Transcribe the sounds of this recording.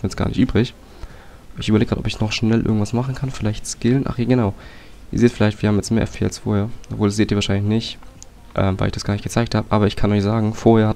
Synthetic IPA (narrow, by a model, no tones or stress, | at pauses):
njɛt͡sɡ̥a̰ːnɪ̰çtʔyːbʁɪç | ɪçʔyːbɐleːɡʁaːtʔɔ̰pɪçnɔχʃnɛlʔɪ̰ɐɡŋ̩tv̥asmaχn̩kʰanfɪlaɪçtskɪlənʔa̰χjaːɡənaʊ | ʔiːɐzeːtsfɪlaɪçtviɐhaːm̩jɛt͡stmeːɐɛfʰeːalsfoːɐheːɐʔɔpv̥oːldasz̥eːtʔiːvaːʃaɪnlɪçnɪçt | ʔɛ̰ːmvaɪlɪçd̥asɡ̥aːnɪçtɡ̥ət͡saɪkthaːbəʔaːbɐɪçkʰanɔʏçz̥aːɡŋ̩foːɐheːɐha